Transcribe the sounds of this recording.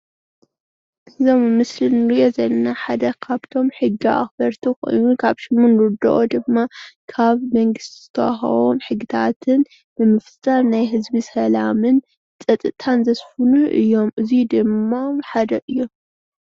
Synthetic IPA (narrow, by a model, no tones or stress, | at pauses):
ʔɨzo̞mmɨslinɨɾijo̞zɐlnaħad̪ɐkʰaβt̪ʰo̞mħɨɡːiʔa̰xbɐɾt̪ʰikʼo̰jnukʰaβʃɨmːunɾɨd̪ɐ̰ʔod̪ɨmːakʰaβmɐŋɡɨst̪ʰiz̥ɨt̪ʰɐwa̰xɐ̰βo̰nħɨɡːɨt̪ʰa̰t̪ʰɨn | bɨmɨft̪ʼannajɦɨzbisɐlamɨn | t͡sʼɐt̪ʼɨt̪ʰanzɐsfunuʔɨ̰jːo̞mʔɨzid̪ɨmːamħad̪ɐʔɨjːom